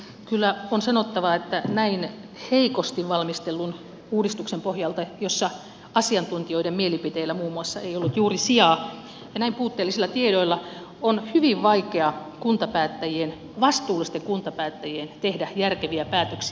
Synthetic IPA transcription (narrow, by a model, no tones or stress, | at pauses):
kylːæonsɑnot̪ːɑʋɑet̪ːænæin | heikost̪iʋʋɑlmist̪elːun | uːdist̪uksempohjɑlt̪ɑjosːɑ | ɑsiɑnt̪unt̪ioidemmielipit̪eilːæmuːmːuɑsːɑeiolːut̪juːrisiɑː | jɑnæimpuːt̪ːeːlːisilːɑt̪iedoilːɑ | onhyʋiʋʋɑikeɑkunt̪ɑpæːt̪ːæjien | ʋɑst̪uːlːist̪eŋkunt̪ɑpæːt̪ːæjient̪ehdæjærkeʋiæpæːt̪øksi